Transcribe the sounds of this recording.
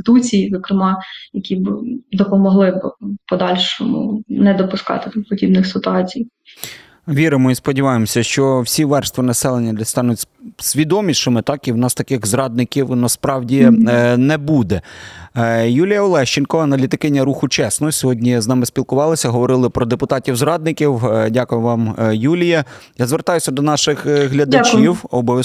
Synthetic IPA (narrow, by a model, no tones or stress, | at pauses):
t̪ɪt̪ut͡sʲijizɔkɾɪmɑjɐkʲibd̪ɔpɔmɔɦlˠɪbpɔd̪ɑlʲʃɔmʊ̰nɛd̪ɔpʊskɑ̰t̪ɪt̪pɔdʲibnɪxsɪt̪ʊɑt͡sʲij | ʋʲiɾɪmɔispɔdʲiʋɑjemɔsʲɐʃt͡ʃɔwsʲiʋɛrst̪ʋʲinɐsɛlˠenʲːɐd̪ʲɛst̪ɑnʊtʲsʲʋʲid̪ɔmʲiʃɪmɪt̪ɑkiwnɑst̪ɐkɪɣzɾɑd̪̚nɪkʲiwnɐspɾɑwdʲinɛbud̪ɛ | julʲijɐɔlˠɛʃt͡ʃɪnkɔɐnɐlʲit̪ɪkɪnʲːɐɾuxʊt͡ʃɛsnʊɔsʲɔɦɔdʲnʲiznɑmɪspʲilˠkʊʋɑlˠɪsʲɐɦɔʋɔɾɪlˠɪpɾɔd̪epʊt̪ɑtʲiwzɾɑd̪̚nɪkʲiwdʲakʊjʊʋɑmjulʲijɐjazʋert̪ɑjʊsʲɐd̪ɔnɑʃɪxɦlʲɐd̪ɐt͡ʃiwɔbɔʋʲ